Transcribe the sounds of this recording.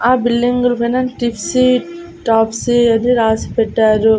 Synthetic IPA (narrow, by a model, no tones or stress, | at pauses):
aːbilːiŋɡulɐpɐjnɐʈipʰsi | ʈaːpsiɐniɾaːsi̥pɛʈːaːɾu